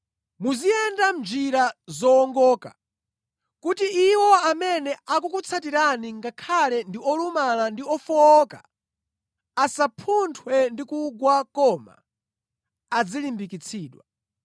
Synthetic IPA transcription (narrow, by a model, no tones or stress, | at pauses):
muziɛndam̩d͡ʒiɾazɔːŋɡɔːka̰ | kutiiwɔamɛnɛakukut͡sʰatiɾaniŋɡakʰalɛndiɔlumalandiɔfɔːka̰ | asapʰuntʰwɛndikuɡwakɔma̰ | ad͡zilimbikit͡sʰiːɗwa̰